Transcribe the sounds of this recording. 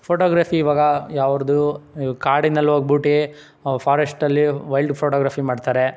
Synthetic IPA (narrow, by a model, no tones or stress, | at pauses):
pʰoːʈoːɡɾaːpʰiːʋaːɡɐjaːʋɐɾd̪ukaːɽinːɐlːɦoːɡ̚buʈe | pʰaːɾesʈɐlːiʋɐjlɖpʰoʈoːɡɾaːpʰimaːɖt̪aːɾe